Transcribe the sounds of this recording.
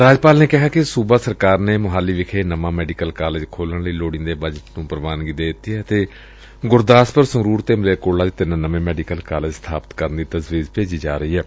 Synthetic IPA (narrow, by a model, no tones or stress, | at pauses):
ɾaːd͡ʒpaːlneːkɪɦaːkɪsuːbaːsəɾkaːɾneːmʊɦaːlːiːʋɪkʰeːnəmãːmɛːɖiːkəlkaːleːd͡ʒkʰoːlənləiːloːɽĩːd̪eːbəd͡ʒəʈnũːpəɾʋaːnɡiːd̪eːd̪ɪt̪ːiːɛːt̪eː | ɡʊɾd̪aːspəɾsəɾuːɾt̪eːmɪleːkoːlaːd͡ʒet̪ɪnnəʋẽːmɛːɖikəlkaːleːd͡ʒst̪ʰaːpət̪kəɾənd̪iːt̪əzʋiːzpeːd͡ʒiːd͡ʒaːɾəiːɛː